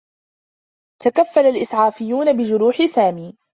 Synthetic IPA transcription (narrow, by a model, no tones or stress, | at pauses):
t̪akafːalalʔɪsʕaːfɪjːuːnabɪd͡ʒʊɾuːħɪsaːmiː